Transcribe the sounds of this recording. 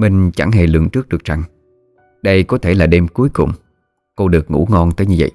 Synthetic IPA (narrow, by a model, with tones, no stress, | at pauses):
mï˨˩ŋ̟t͡ɕa˧˩ŋɦḛ˧˩lɨ̰˧˨əŋt͡ɕɨ˦˥k̚ɗɨ˨˩ək̚t͡ɕa˨˧˩ŋ | ɗə˧jkɔ˨˦t̪ʰe˧˩laː˨˩ɗe˧mku˨˦əjkʊ̰˨wŋ͡m | ko˧ɗɨ˨˩ək̚ŋṵ˧˥ŋɔ˧nt̪əː˨˦jɲɨ˧və̰˧˨j